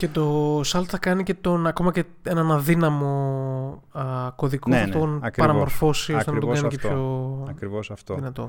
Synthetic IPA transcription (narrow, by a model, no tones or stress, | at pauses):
ce̞t̪o̞sɐlt̪θɐkɐnice̞t̪o̞nɐko̞mɐce̞ | e̞nɐnɐðinɐmo̞ | ko̞ðikoθɐt̪onɐkpɐɾɐmo̞ɾfo̞siost̪ent̪okɐnikepçoɐɾivosɐft̪oðinɐt̪o